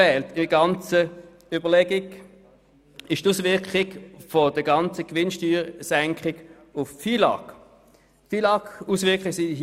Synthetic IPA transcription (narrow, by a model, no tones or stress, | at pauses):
ɛːltɪɡɑnt͡sə | ybəlɛɡɪɡ | ɪʃtuːsvʋɪɐkχɪɡfod̥əɡɑnt͡səkʋɪnʃtyːʁsɛŋkχɪɡ̥ | ʊffiːlɑ̰k | fiːlɑkuːsvɪɐkχɪɡsi